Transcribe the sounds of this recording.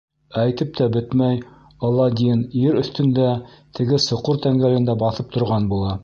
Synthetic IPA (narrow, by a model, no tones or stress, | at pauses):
æjt̪ɘp̚t̪ʰæbɘt̪mæj | ɑlˠːɑd̪ʲiniɾɵ̆θt̪ɵ̆nd̪æ | t̪ʰɘ̆ɡɘsŏqoɾt̪æŋɡælɘ̆nd̪æbɑθɤp̚t̪ŏɾʁɑnbulˠɑ